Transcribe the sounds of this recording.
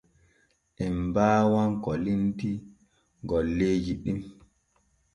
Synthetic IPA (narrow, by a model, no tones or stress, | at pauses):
ʔɛmbaːwaŋkɔlinti | ɡɔlːeːd͡ʒiɗim